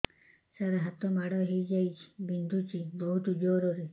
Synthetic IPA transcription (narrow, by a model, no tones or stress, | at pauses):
saɾaɦat̪ɔmaɽɔɦejd͡ʒajt͡ʃʰi̥bind̪ʱut͡ʃibɔɦut̪ud͡ʒɔɾɔɾi